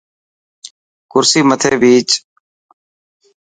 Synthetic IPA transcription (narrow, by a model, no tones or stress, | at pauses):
kʊɾsiːmət̪ʰeːbʱiːt͡ʃ